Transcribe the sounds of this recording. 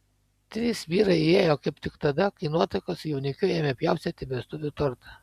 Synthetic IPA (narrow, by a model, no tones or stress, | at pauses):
t̪ʲɾʲisʋʲiːɾɐɪɪeːjoːkɐɪpt̪ʲɪkt̪ɐd̪ɐkɐɪnuɔt̪ɐɪkoːsjɛʊnʲɪkʲʊeːmʲepʲjɛˑʊsʲet̪ʲɪbʲɛst̪ʊʋʲʊt̪ʊɾt̪ɐ